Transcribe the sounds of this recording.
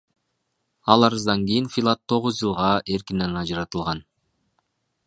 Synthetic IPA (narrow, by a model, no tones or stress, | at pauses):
ɑlˠɑɾɯzd̪ɑŋɡijinfilˠat̪ʰːo̞ʁuzd͡ʒɯlˠʁɑʔe̞ɾkine̞nɑd͡ʒɯɾɑt̪ɯlˠʁɑn